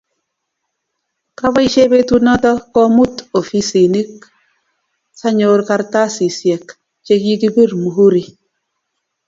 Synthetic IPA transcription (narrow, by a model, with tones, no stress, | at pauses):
ka˦βɔ˦i˦ʃe˦be˦tu˦nɔ˦tɔ˦kɔ˦mu˦˨to˨fi˦si˨ni˦k | sa˦ɲo˦ɾka˦ɾta˦si˨sjɛ˨k | t͡ʃe˦ɡi˦ki˦bi˦˨ɾmu˨ɦu˦ɾi˨